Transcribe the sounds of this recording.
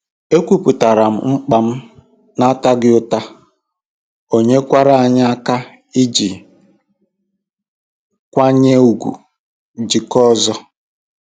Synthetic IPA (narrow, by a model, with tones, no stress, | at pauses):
e˦kʷu˨pu˨ta˨ɾa˨m̩˦ŋ͡m̩˦k͡pa˨m̩˦ | na˦ta˦ɡɪ˦ʊ˦ta˦ | o˨ɲe˦kʷa˦ɾa˦˨a˨ɲa˦a˦ka˦ | i˦d͡ʒi˨ | kʷa˦ɲe˦u˨ɡʷṵ˨ | d͡ʒi˨kɔ˦zɔ˦